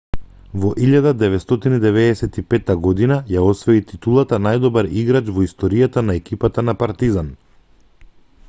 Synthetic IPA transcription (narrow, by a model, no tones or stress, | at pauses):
vɔʔiʎad̪ad̪ɛvɛt̪st̪ɔt̪inid̪ɛvɛdɛsɛt̪ipɛt̪aɡɔd̪inajaɔsvɛit̪it̪ulˠat̪anajd̪ɔbaɾiɡɾat͡ʃvɔist̪ɔɾijat̪anaɛkipat̪anapaɾt̪izan